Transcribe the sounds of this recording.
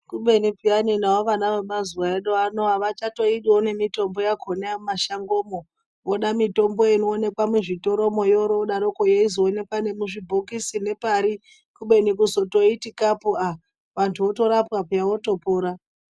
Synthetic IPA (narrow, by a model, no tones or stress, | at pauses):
kuɓe̞nipijaninawoʋanaʋeɓazuwaeɗoanoaʋat͡ʃato̞iɗone̞mito̞mbo̞jakʰoneamaʃaŋɡo̞ːmo | ʋoɗamito̞mbo̞inoːne̞kwameʐito̞ɾo̞mojoɾoɗaɾokojeizoːne̞kwane̞muʐibʱokisine̞paɾi | kuɓe̞nikuzo̞to̞itikapua | ʋantʰuo̞to̞ɾapwapujawo̞topoːɾa